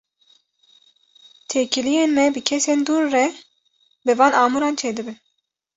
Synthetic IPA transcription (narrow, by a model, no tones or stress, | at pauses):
t̪ʰekʰilijeːnmɛbɨkʲʰɛseːnd̪uːɾːɛ | bɨvɑːnɑːmuɾɑːnt͡ʃʰeːd̪ɨbɨn